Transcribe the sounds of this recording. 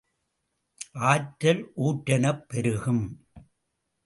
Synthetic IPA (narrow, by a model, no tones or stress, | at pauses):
ʔaːʈːɐlʔuːʈːɐnɐpːɛɾɯɣɯm